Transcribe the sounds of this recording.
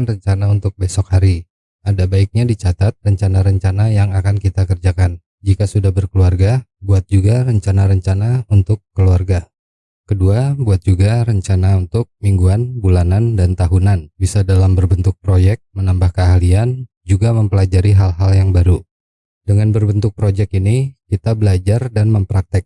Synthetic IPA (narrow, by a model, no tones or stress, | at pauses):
nrəɲt͡ʃanaunt̪ʊk̚besɔk̚haɾi | adabaik̚ɲadit͡ʃat̪at̪̚rəɲt͡ʃanaɾəɲt͡ʃanajaŋakankit̪akərd͡ʒakan | d͡ʒikasudahbərkəluarɡabuat̪̚d͡ʒuɡarəɲt͡ʃanaɾəɲt͡ʃanaunt̪ʊkːəluarɡa | kəduabuat̪̚d͡ʒuɡaɾəɲt͡ʃanaunt̪ʊk̚miŋɡuanbulanandant̪aɦunanbisadalambərbənt̪ʊk̚pɾojɛk̚t̚mənambahkəalian | d͡ʒuɡaməmpəlad͡ʒaɾiɦalɦaljaŋbaɾu | dəŋanbərbənt̪ʊk̚pɾod͡ʒɛkinikit̪abəlad͡ʒardanməmpɾak̚t̪ɛk̚